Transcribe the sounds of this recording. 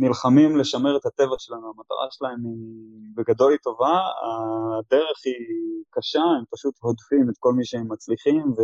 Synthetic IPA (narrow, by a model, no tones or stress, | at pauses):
nilχamimle̞ʃameʁet̪hat̪e̞vaʃelanuamat̪a̰ʁa̰ʃelae̞mibeɡad̪o̞lit̪o̞vaa̰d̪e̞ʁe̞χikaʃaempaʃut̪ho̞d̪fimet̪̚ko̞lmiʃeemːat͡sliχimve